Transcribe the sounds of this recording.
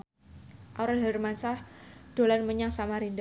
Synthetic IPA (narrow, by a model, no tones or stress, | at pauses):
ʔawɾalɦɛrmansahd̥olanməɲaŋsamaɾind